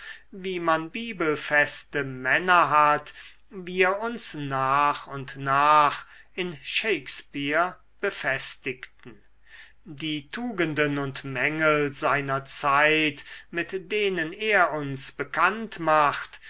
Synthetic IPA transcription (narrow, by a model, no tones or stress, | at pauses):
viːmanbiːbəlfɛstəmɛnɐɦat | viːɐʊnsnaːχʊntnaːχ | ɪnʃeɪkspiɐ | b̥əfɛstɪktn̩ | diːtʰuːɡəndənʊntmɛŋəlzaɪnɐt͡saɪtmɪtd̥eːnəneːɐʊnsb̥əkʰantmaχt